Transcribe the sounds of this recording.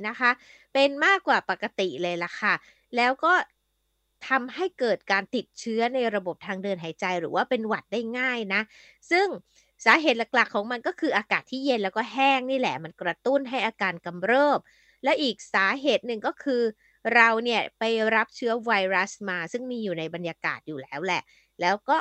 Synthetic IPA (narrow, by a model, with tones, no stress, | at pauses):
na˦˥kʰa˦˥ | pe˧nmaː˥˩kːwaː˨˩pa˨˩kːa˧t̪i˨˩lɤː˧jla˨˩kʰa˥˩ | lɛː˦˥wkɔː˥˩ | t̪ʰa˧mɦa˥˩jkɤː˨˩t̪̚kaː˧nt̪i˨˩t̪̚t͡ɕʰɯ˦˥ɐna˧jɾa˧bo˨˩p̚t̪ʰaː˧ŋdɤː˧nɦaː˨˩˦jt͡ɕa˧jɾɯː˩˦waː˥˩pe˧nwa˨˩t̪̚da˥˩jŋaː˥˩jna˦˥ʔ | sɯ˥˩ŋ | saː˨˩˦ɦeː˨˩t̪̚la˨˩k̚la˨˩kʰːɔː˩˦ŋma˧nkɔː˥˩kʰɯː˧ʔaː˧kaː˨˩t̪ʰːiː˥˩je˧nlɛː˦˥wkɔː˥˩ɦɛː˥˩ŋniː˥˩lɛ˨˩ma˧nkɾa˧t̪u˥˩nɦa˥˩jʔaː˧kaː˧nka˧mɾɤː˥˩p̚ | lɛː˦˥wʔiː˨˩k̚saː˩˦ɦeː˨˩t̪̚nɯ˨˩ŋkɔː˥˩kʰɯː˧ | ɾa˧wni˥˩ɐpa˧jɾa˦˥p̚t͡ɕʰɯ˦˥ɐwa˧jɾa˦˥smaː˧sɯ˥˩ŋmiː˧juː˨˩na˧jba˧njaː˧ka̰ː˨˩t̪̚juː˨˩lɛː˦˥wlɛ˨˩ʔ | lɛː˦˥wkɔː˥˩